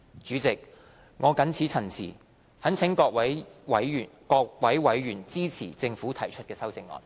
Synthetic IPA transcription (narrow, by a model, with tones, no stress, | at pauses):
t͡ʃyː˨˥t͡sɪ˨k̚ | ŋɔː˨˧kɐ˨˥nt͡sʰiː˨˥t͡sʰɐ˨˩nsʰḭː˨˩ | hɐ˨˥nt͡sʰɪ˨˥ŋkɔː˧k̚wɐ˨˥jwɐ˨˥jːnkɔː˧k̚wɐ˨˥jwɐ˨˧˥jɥyː˨˩nt͡siː˥t͡sʰiː˨˩t͡sɪ˧ŋfuː˨˥t̪ʰɐ˨˩jt͡ʃʰɵ˥t̚kɛː˧sɐ˥wt͡sɪ˧ŋːɔ̰ː˨n